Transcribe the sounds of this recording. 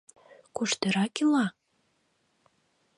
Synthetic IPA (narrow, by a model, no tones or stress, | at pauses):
kuʃt̪ə̆ɾɑkilɑ